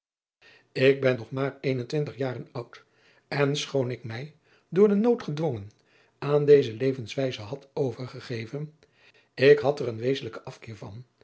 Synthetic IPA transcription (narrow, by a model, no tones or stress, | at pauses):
ɪɡ̚bɛnːɔχmaːɹejnəntʋɪntəχjaːrənʌwt | ɛnsχownɪkmɛj | dʊːɹdənowtχədʋoŋən | aːndejzəlejvənsʋɛjzəɦɑtowvəɹχəχejvən | ɪkɦɑtɛrənʋejzənləkəɑfkɪːɹvɑ̰n